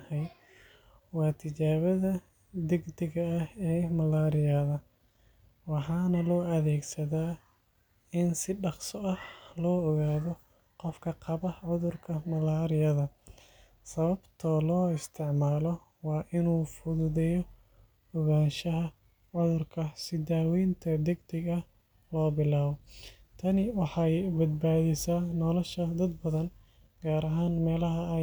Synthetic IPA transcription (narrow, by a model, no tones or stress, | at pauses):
hɛj | wɑːt̪ʰɪt͡ʃaːβɐðɐ | d̪ɪɡd̪ɪɣɐːɛːmɐlaːɾɪjaðɐ | wɑħɑːnɐlɔːɐðɛːɡsɐðaː | ɪnsɪɖɑqsɔʔɐhlɔːɔɣaːðɔ | qɔfkʰɐqɑβɐʕʊðʊrkʰɐmɐlaːɾɪjɐðɐ | sɐβɐbt̪ʰɔlɔːɪst̪ʰɪʕmaːlɔ | wɑːʔɪnuːfʊðʊðɛjɔ | ɔɣaːnʃɐɦɐ | ʕʊðʊrkʰɐsɪd̪aːwɛjnt̪ʰɐd̪ɛɡd̪ɐɡɐh | lɔːbɪlaːβɔt̪ʰɐnɪwɑħɑjbɐd̪̚baːðɛsaːnɔlɐʃɐd̪ɐd̪bɐðɐn | ɡaːɾɐɦaːnmɛːlɐɦɐ